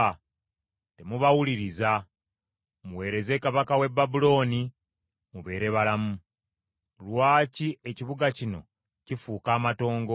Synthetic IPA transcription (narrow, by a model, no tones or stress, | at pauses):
te̞muβawuliɾiza | muwe̞ːɾe̞ze̞kaβakawe̞bːabulo̞ːni | muβe̞ːɾe̞βalamu | lwaːcie̞ciβuɡacino̞̰ | cifuːkaːmato̞ːŋɡ